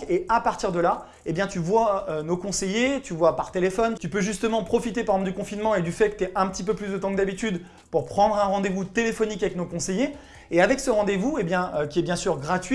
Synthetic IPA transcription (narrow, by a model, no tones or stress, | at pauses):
eapaʁt̪iʁd̪əla | ebjɛ̃t̪yvwaønokɔ̃sejet̪yvwapaʁt̪elefɔnt̪ypøʒyst̪əmɑ̃pχɔfit̪epaʁ̃d̪ykɔ̃finmɑ̃ed̪yfɛkə̥t̪yɛʔɛ̃pət̪ipøplysd̪ət̪ɑ̃k̚d̪abit̪yd̪ | puʁpχɑ̃d̪ʁɛ̃ʁɑ̃d̪evut̪elefɔnikavɛknokɔ̃seje | eavɛksəʁɑ̃d̪evuebjɛ̃økʲiɛbjɛ̃syʁɡʁat̪ɥi